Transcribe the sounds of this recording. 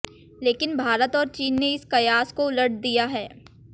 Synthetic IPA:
leːkɪnbʱaːɾət̪ɔːɾt͡ʃiːnːeɪskɐjaːskoʊləʈd̪ijaɦɛː

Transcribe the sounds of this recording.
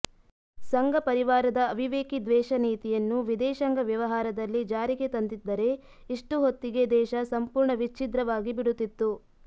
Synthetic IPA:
sɐŋɡɐpɐɾiʋaːɾɐd̪ɐːʋiʋeːkid̪ʋɛːʃɐniːt̪ijɐnːuʋid̪ɛːʃɐŋɡɐʋjɐʋɐɦaːɾɐd̪ɐlːid͡ʒaːɾiɡe̞t̪ɐnd̪id̪ːɐɾe̞ | iʂʈuɦot̪ːiɡe̞d̪ɛːʃɐsɐmpuːɾɳɐʋit͡ʃid̪ɾɐʋaːɡibiɽut̪ːit̪ːu

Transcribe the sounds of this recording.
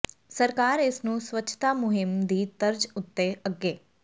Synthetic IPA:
səɾkaːɾɪsnũːswətːt͡ʃʃʰt̪aːmʊɦɪmd̪iːd̪əɾd͡ʒʊt̪ːeʔəɡːeː

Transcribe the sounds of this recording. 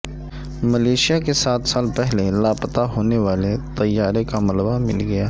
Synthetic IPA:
məleːʃijakesaːt̪saːlpɛɦlelaːpət̪aɦoːneʋaːlet̪ɐjːaːɾekamɐləbamɪ̰lɡɐjaː

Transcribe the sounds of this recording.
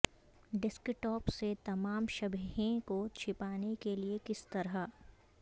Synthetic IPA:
ɖɪskɪʈːɔːpset̪ɐmaːmʃɐbʱɦẽkot͡ʃʰɪpaːnekeliekɪst̪ɐɾa

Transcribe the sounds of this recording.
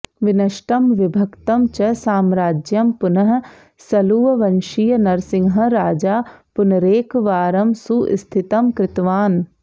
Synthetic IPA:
ʋɪnɐʃʈɐmʋɪbʱɐkt̪ɐmt͡ʃəsaːmɾaːd͡ʒjɐmpʊnɐɦ | sɐluːʋɐʋɐnʃijnɐɾsɪŋɡɦɐ̃ɾaːd͡ʒaːpʊnɐɾeːkʋaːɾɐmsuʔɪ̰st̪ʰɪt̪ɐmkɾɪt̪ʋaːn

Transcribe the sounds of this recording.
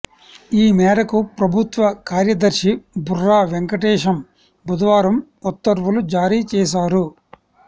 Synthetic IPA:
iːmɛːɾɐkupɾɐbʱut̪ʋɐkaːɾjɐd̪ɐɾʃiburːaːʋeŋkɐʈɛːʂɐm | bʱud̪ʋaːɾɐm | ut̪ːɐɾʋulud͡ʒaːɾiːt͡ʃɛːs̬aːɾu

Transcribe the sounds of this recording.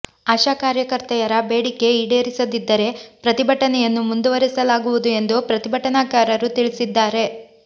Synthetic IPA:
aːʃaːkaːɾjɐkɐɾt̪ɛjɐɾɐbe̞ːɽikːe̞iɽe̞ːɾisɐd̪id̪ːɐɾe̞pɾɐt̪ibʱɐʈːɐnɛjɐnːumund̪uʋɐɾisɐlaːɡuʋud̪ue̞nd̪upɾɐt̪ibʱɐʈːɐnaːkaːɾɐɾut̪iɭisid̪ːaːɾe̞

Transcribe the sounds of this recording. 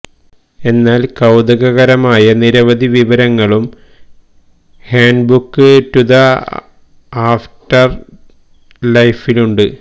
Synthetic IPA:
e̞nːaːlkɐwd̪ɐɣɐɣɐɾɐmaːjɐniɾɐʋɐd̪ʱiʋiʋɐɾɐŋːɐɭum | haːɳɖbukːɨtuðɐ | aːfʈɐr | lɐjfiluɳɖɨ

